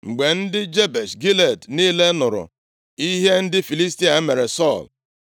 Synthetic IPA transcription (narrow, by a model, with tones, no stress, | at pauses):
ŋ͡m̩˨ɡ͡be˨n̩˦dɪ˦d͡ʒe˦be˨sɡi˦le˨dni˦le˦nʊ˨ɾʊ̰˨ | i˦ɦe˦n̩˦dɪ˦fi˨li˦sti˦a˨˦me˨ɾe˨sɔ˦˨l